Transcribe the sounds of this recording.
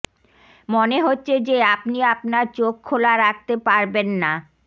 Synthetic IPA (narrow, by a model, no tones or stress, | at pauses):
moneɦotːɕʰed͡ʑeapniapnaɾt͡ɕokʰːolaɾak̚t̪epaɾbenːa